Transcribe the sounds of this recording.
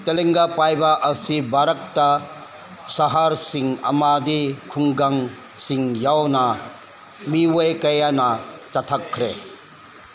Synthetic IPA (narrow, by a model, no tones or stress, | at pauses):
teleŋɡapajbaʔɐsibaɾɐk̚ta | saɦaɾsiŋɐ̰madikʰuŋɡaŋ | siŋjawna | miwɔjkɐjanat͡ʃatʰakʰːɾe